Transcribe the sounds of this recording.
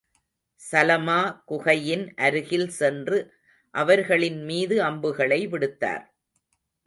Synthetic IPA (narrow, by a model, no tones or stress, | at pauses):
sɐlɐmaːkʊɣɐjɪnʔɐɾɯɣɪlsɛndrɯ | ʔɐʋɐɾɣɐɭɪnmiːðɯɐmbɯɣɐɭɐɪʋɪɽɯt̪ːa̰ːɾ